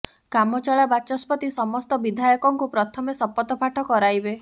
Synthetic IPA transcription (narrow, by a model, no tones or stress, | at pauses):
kamɔt͡ʃɔɭabat͡ʃɔspɔt̪isɔmɔst̪ɔbid̪ʱajɔkɔŋkupɾɔt̪ʰɔmesɔpːɔt̪ɔpʰaʈʰɔkɔɾajbe